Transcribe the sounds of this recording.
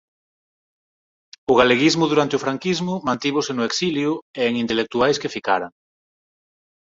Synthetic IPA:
ʊɣaleɣizmʊðuɾant̪eʊfɾaŋkizmʊmãnt̪iβosɪnʊeksiljʊeeŋint̪elek̚t̪uajskefikaɾaŋ

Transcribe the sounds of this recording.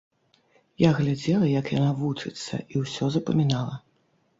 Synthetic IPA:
jaɣlʲad͡zʲɛlˠɐjɐkjanavut͡ʂɨt̪sːɐ̰iwsʲɔzɐpɐmʲinalˠɐ

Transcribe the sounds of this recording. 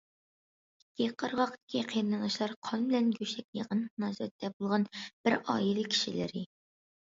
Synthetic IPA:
kʲʰːiqʰːɑɾʁɑqt̪ɪ̥kʲʰiqʰijɾnɨnɨʃlˠɑɾqʰɑnbɪlɛnɡʲøʃɛk̚ʲjɑqənmnɑːzɾɛ̰t̪ʰːɛbolˠʁɑnb̥ɪɾɑ̰ːjilˠɨkʲʰi̥ʃilɪ̰ɾɪ

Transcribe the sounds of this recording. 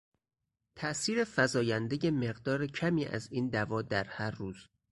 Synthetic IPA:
t̪ʰæʔsiːɾe̞fæzɒːjænd̪eje̞me̞ɢd̪ɒːɾecʰæmiːʔæ̰ziːnd̪ævɒːd̪æɾhæɾːuːz

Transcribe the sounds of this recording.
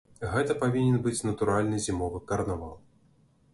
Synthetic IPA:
ɣɛt̪ɐpavʲinʲɛnbɨt͡sʲnɐt̪uɾalʲnɨzʲimɔvɨkɐrnavalˠ

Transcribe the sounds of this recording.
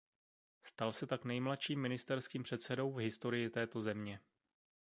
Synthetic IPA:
st̪alsɛt̪aknɛjmlat̪ʃiːmːɪnɪst̪ɛɾskiːmpr̥ɛt̪sɛdo̞wvɦɪst̪o̞ɾɪjɪt̪ɛːt̪o̞zɛmɲɛ

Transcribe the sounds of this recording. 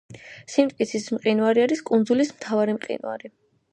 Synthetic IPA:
simt̪ʼkʼit̪sʰismqʼinvaɾiaɾiskʼunzulismt̪ʰavaɾimqʼḭnwa̰ɾi

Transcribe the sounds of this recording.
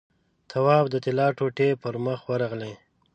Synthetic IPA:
t̪ʰawɑbd̪ət̪ɪlɑʈoʈepəɾməxwəɾɑɣle

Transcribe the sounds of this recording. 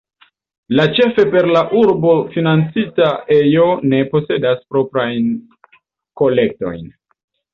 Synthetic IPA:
lat͡ʃe̞fe̞pe̞ɾlaʔuɾbo̞finant͡sitaʔe̞jo̞ne̞po̞se̞daspɾo̞pɾajn | ko̞le̞k̚to̞̰jn

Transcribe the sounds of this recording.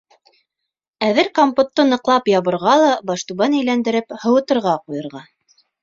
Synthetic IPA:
æðɘɾkompŏt̪ːɤnɤ̆qlˠɑpjɑβɤ̆ɾʁɑlˠɑbɑʃt̪uβɑnæjlænd̪ɘ̆ɾɘphɤ̆wɤ̆t̪ɤ̆ɾʁɑqujɤ̆ɾʁɑ

